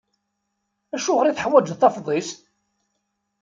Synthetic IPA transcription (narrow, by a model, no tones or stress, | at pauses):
æʃuʁəɾiθəħwæd͡ʒðθɑfðˤist